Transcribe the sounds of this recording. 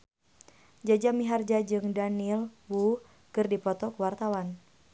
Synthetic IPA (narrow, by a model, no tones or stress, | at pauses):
d͡ʒad͡ʒamiɦard͡ʒad͡ʒɨŋdanilwu | kɨrdipɔt̪ɔkəwart̪awan